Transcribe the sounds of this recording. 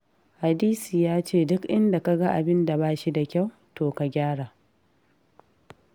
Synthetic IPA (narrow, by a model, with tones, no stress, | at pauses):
ha˨diː˦siː˨jaː˦t͡ʃeː˦˨dʊ˦kʔɪ˦nda˨ka˦ɡa˦ʔa̰˨bɪ˦nda˨baː˦ʃi˦da˨kʲa˦˨w | toː˨ka˨ɡʲaː˦ɽaː˨